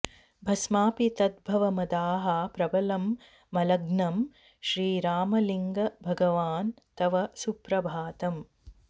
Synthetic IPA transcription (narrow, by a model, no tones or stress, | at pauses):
bʱɐsmaːpit̪ɐd̪bʱɐʋɐmɐd̪aːɦɐpɾɐbɐlɐmː | ɐlɐɡnɐm | ʃɾiːɾaːmɐliŋɡɐbʱɐɡɐʋaːn | t̪ɐʋɐsupɾɐbʱaːt̪ɐm